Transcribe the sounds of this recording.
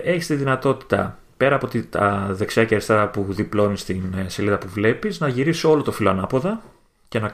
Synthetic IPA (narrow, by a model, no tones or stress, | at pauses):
e̞çi̥st̪iðinɐt̪o̞t̪i̥t̪ɐ̰ | pe̞ɾɐːpot̪it̪ɐ̰ðe̞ksiɐcɐɾist̪ɐpuðiplo̞nist̪inse̞liðɐpuvle̞piznɐʝiɾisio̞lo̞t̪o̞filoɐnɐpo̞ðɐ | ce̞nɐ